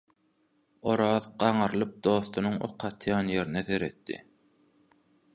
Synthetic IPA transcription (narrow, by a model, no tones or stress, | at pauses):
oɾɑːðɢɑɴɑɾlˠɯp̚d̪o̞ːθt̪ʰunuŋo̰qʰɑt̪ʰjɑːnje̞ɾineθe̞ɾe̞t̪ːḭ